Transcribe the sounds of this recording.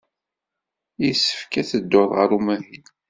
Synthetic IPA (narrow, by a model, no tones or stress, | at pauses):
jisːə̥fkæt͡səd̪ːoðˤʁəɾumæɦin